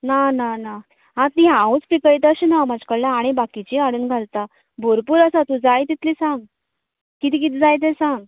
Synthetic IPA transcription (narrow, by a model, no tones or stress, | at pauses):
nanana | ɦãt̪iɦãut͡spikəɭjt̪əɕinamad͡ʑkəɭljãːɽ̃ibakit͡ɕiaɽuːnɡʱalt̪a | bʱoɾpuːɾəsat̪ud͡zajt̪it̪liːsãŋɡ | kit̪iːk̬it̪id͡zajt̪̬ẽsãŋɡ